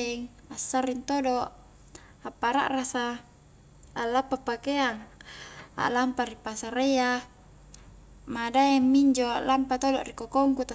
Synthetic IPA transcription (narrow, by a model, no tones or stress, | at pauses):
ɛŋ | asːarint̪odoʔ | apːaɾa̰ʔrasa | alːapːapakeaŋ | a̰ʔlampaɾipasaɾeja | madaɛmːiɲd͡ʒoaʔlampat̪odoʔrikokoŋkut̪a